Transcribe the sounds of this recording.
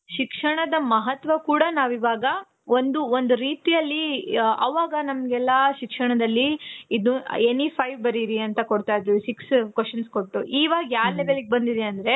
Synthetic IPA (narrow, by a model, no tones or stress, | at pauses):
ʃikʂɐɳɐd̪ɐmɐɦɐt̪ʋɐkuːɽɐnaːʋiʋaːɡɐ | o̞nd̪uond̪uɾiːt̪ijɐlːiɐ̰ʋaːɡɐnɐmɐɡɛlːɐʃikʂɐɳɐd̪ɐlːiid̪uenːipʰɐjʋbɐɾiɾiɐnt̪ɐkoɽt̪aːjd̪ɾusikskʋesɐnskoʈʈːuʔiːʋaːɡɐjaːɾlɛʋeliɡebɐnd̪id̪eɐnd̪ɐɾe̞